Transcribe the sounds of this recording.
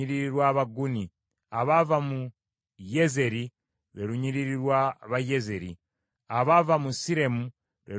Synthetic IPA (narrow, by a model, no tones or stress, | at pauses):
iɾiɾiɾwaːβaɡuni | aβavamu | jeze̞ɾi | ɾwe̞ɾuɲiɾiɾiɾwaβajeze̞ɾḭ | aβavamusiɾe̞mu | ɾwe